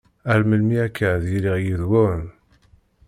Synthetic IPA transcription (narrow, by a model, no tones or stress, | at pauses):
æɾməlmiækʰːəðjiliʁjiðwʊn